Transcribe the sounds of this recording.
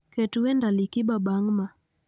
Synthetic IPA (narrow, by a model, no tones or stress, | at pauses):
kɛtuwɛndalikiɓaɓaŋma